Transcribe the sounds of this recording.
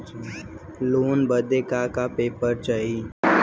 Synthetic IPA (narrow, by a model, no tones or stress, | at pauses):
loːnbəd̪eːkaːkaːpeːpəɾt͡ʃaːɦiː